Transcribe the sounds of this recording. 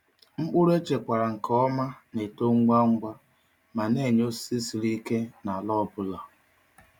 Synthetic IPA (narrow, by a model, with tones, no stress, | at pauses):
ŋ͡m̩˦k͡pʊ˦ɾe˦t͡ʃe˨kʷa˨ɾa˨ŋ̩˨kɔ˦ma˦ne˨to˦ŋ̩˦ɡ͡ba˦ŋ̩˦ɡʷa˦ | ma˨ne˦˨ɲ˦o˦ssi˦si˨ɾi˦ke˦na˨lɔ˦˨bʊ˦la˨